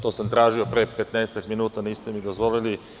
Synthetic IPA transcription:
t̪ɔsəmt̪ɾaʒiopɾɛpɛt̪najsɛt̪əkminut̪ənist̪ɛmid̪ozvɔlili

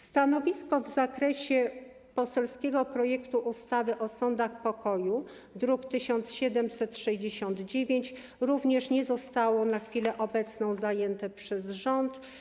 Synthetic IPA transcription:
st̪anɔvʲiskɔvzakɾɛɕɛ | pɔsɛlskʲɛɡɔpɾɔjɛkt̪uʔust̪avɘʔɔsɔnd̪axpɔkɔju | d̪ɾukt̪ɘɕɔnt̪sɕɛd̪ɛmsɛt̪ʂɛʑd͡ʑeɕɔnd̪d͡ʑevʲjeɲt͡ɕ | ɾuvɲɛʂɲɛzɔst̪awɔnaxfʲilɛʔɔbɛt̪snɔ̃w̃zajɛnt̪ɛpʂɛzʐɔnt̪

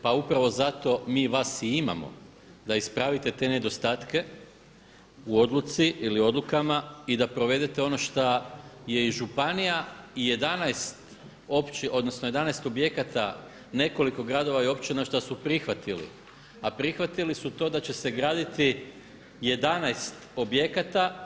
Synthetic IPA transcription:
paupɾaʋo̞zat̪o̞miːʋasiima̰mo̞̰ | d̪aispɾaʋit̪e̞t̪e̞ne̞d̪o̞st̪aːt̪ke̞ | uo̞d̪lˠut̪siʔilio̞d̪lukamaid̪apɾo̞ʋe̞d̪et̪e̞o̞no̞ʃt̪aje̞iʒupanijaije̞d̪anajst̪ | o̞pt͡ʃiʔo̞d̪no̞snoje̞d̪anajst̪o̞bje̞kat̪a | ne̞ko̞liko̞ɡɾad̪o̞ʋaio̞pt͡ɕinaʃt̪asupɾixʋat̪ilḭ | apɾixʋat̪ilisut̪o̞ːd̪at͡ɕe̞se̞ɡɾaːd̪it̪i | je̞d̪anajst̪o̞bje̞kat̪a

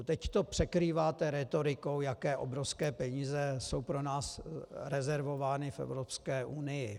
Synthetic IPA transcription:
t̪ɛct̪o̞pr̥ɛkɾiːvaːt̪ɛɾɛt̪o̞ɾɪko̞wjakɛːʔobɾofskɛːpɛɲiːzɛso̞wpɾo̞naːsɾɛzɛɾvo̞vaːnɪfɛ̰vɾopskɛːʔunɪjɪ

